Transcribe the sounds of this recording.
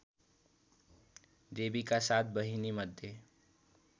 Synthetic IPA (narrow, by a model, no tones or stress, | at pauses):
d̪ebikasat̪̚ʰbəɦiniməd̪ʱje